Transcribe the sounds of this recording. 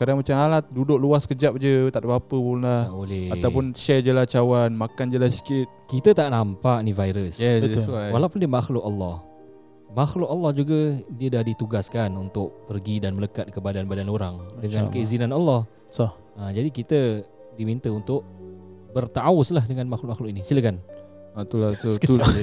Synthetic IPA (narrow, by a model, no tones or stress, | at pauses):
kadaŋmat͡ʃamalat̪̚dudʊʔluaskəd͡ʒap̚d͡ʒət̪aʔdbapəpunlaholɛaawpʊnʃɛd͡ʒəlat͡ʃawanmakand͡ʒəlasi̥kɪt̪̚kit̪ət̪aʔnampaʔnivajɾəsjɛsəsawalawpʊndiəmaxlʊkalːɔh | maxlʊk̚alːɑhd͡ʒuɡədiədahdit̪uɡaskanunt̪ʊk̚pərɡidanmələkat̪̚kəbadanbadanoɾaŋdəŋãnkəizinanalːɑh | s | əd͡ʒadikit̪ə | dimint̪əunt̪ʊʔ̚bərt̪aʔawʊslahdəŋanmaxlʊk̚maxlʊkinisiləkanat̪ulat̪ut̪